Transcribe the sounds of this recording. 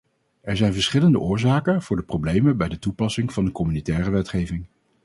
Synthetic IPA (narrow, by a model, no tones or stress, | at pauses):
ʔɛɹzɛjnvəɹsχɪləndə̰ʔʊːɹzaːkənv̥ʊːɹdəprowblejmənbɛjdətupɑsɪŋv̥ɑndəkɔmynitɛːrəʋɛtχejvɪŋ